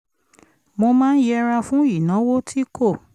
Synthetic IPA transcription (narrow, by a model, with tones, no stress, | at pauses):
mo˧mãː˦n̩˦jɛ˧ɾa˧fũ˦i˨nã˨˦wo˦tʰi˦kʰo˦˨